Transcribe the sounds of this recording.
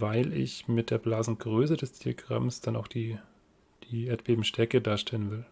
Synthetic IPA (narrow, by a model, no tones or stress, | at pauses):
vaɪlɪ̰çmɪt̚d̥eːɐblaːzn̩ɡʁøːsədɛsd̥iːa̰ɡʁa̰msd̥ana̰ʊxd̥iː | d̥iːeːɐtb̥eːbm̩ʃtʰɛɐkədaːɐʃtɛlənvɪl